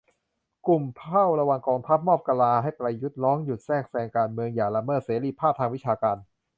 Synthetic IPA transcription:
ku˨˩mpʰa˥˩wɾa˧wa˧ŋkɔː˧ŋt̪ʰa˦˥p̚mɔː˥˩p̚ka˧laː˧ha˥˩jpɾa˧jju˦˥t̪̚ɾɔː˦˥ŋju˨˩sɛː˥˩ŋ̚sɛː˧ŋkaː˧nmɯ˧əŋjaː˨˩la˧mɤː˥˩t̪̚seː˩˦liː˧˩pʰaː˥˩t̪ʰaː˧ŋwi˦˥t͡ɕʰaː˧kaː˧n

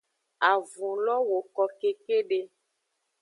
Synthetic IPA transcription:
a˨vũ˨lɔ˦wo˨kɔ˨ke˦ke˦ɖe˦

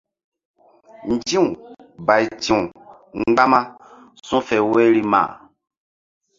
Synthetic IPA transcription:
n̩˨d͡ʒĩ˦ũ˨ba˨i˨tĩ˨ũ˨ | ŋ͡mɡ͡ba˦mã˦ | sɔ̃˦fɛ˨wɛ˦ɾi˦mã̰ː˨

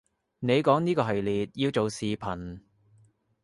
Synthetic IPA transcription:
ne˨˧jkɔː˨˥ŋniː˥kɔː˧ɦɐ˨jliː˨t̚jiː˧wt͡so˨wsiː˨pʰɐ˨˩n

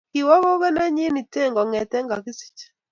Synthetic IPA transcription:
ki˨wɔ˦βo˦ɣɛ˦nɛ˦ɲi˦ni˨te˦˨ŋɡɔ˨ŋɛ˨tɛ˦ŋɡa˨ki˦si̥˨t͡ʃɛ̥˨

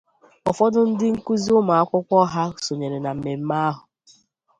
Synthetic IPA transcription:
ɔ˨fɔ˦dʊ˦n̩˦dɪ˦ŋ̩˦ku˦zi˦ʊ˦ma˨a˦kʷʊ˦kʷɔ˦ɦa˦so˨ɲe˨ɾe˨na˨m̩˨me˨m̩˦ma˦a˦ɦʊ˨

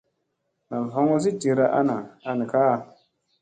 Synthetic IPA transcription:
na˨lɦo˦ŋo˦z̬i˦d͡ʒi˨ɾa˦ʔa̰˦na˨a˦ni˨ka˦˨

